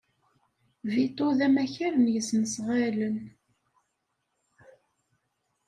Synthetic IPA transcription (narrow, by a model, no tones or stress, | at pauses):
vit̪ˤːoðæmæçæɾənjəsnəsʁalən